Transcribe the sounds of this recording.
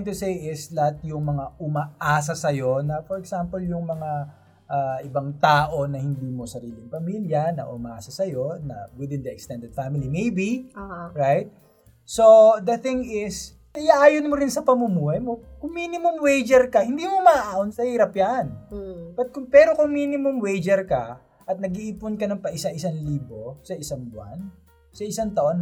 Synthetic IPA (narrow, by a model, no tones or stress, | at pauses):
nt̪ʊsejɪslɐhat̪̚jʊŋmɐŋaʔʊmɐʔaːs̬ɐsɐjo̞nɐfɔɾɛksampɐljʊŋmɐŋa | ʔaʔɪbaŋt̪aːʔo̞nɐhɪnd̪iːmo̞sɐɾiːlɪŋpɐmiljɐnɐ̰ʔʊ̰mɐʔaːsɐsɐjo̞nɐ̰wɪd̪ɪ̃nd̪ɐɛkst̪ɛ̃nd̪ɛd̪̥̚famɪlimejbiɹajt̪̚ | sod̪ɐθɪŋɪs | jaʔaːjonmoɾɪnsɐpɐmʊmuːhɐjmo̞kʊŋmiːnɪmʊmwejd͡ʒɛɾkɐhɪnd̪iːmomɐʔaʔaːʔonsɐhiːɾɐpjanbɐt̪̚kʊŋpɛːɾo̞kʊŋminɪmʊmwejd͡ʒɛɾkɐ | ʔɐt̪̚nɐɡiʔiːpʊnkɐnɐŋpɐʔɪsɐʔɪsaŋliːbo̞sɐʔɪsaŋbʊa̰n | sɐʔɪsaŋt̪ɐʔo̞n